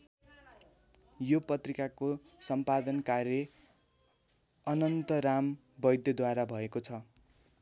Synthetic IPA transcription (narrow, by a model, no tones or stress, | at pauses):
jopʌt̪rikako | sʌmpad̪ʌnkaɾjʌ | ʌnʌnt̪ʌɾam | bʌjd̪jʌd̪waɾabʱʌekot͡sʰʌ